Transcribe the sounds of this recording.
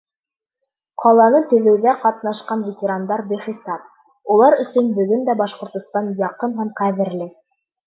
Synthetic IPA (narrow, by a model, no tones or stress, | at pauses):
qʰɑlˠɑnɤt̪ɵ̆ðɘ̆wðæqɑt̪nɑʃqɑnvʲetʲeɾand̪ɑɾbiχisɑp̚ | ulˠɑɾɵ̆sɵnbɵ̆ɡɵnd̪æbɑʃqŏɾt̪ŏst̪ɑnjɑqɤnɦæmqæðɘ̆ɾlɘ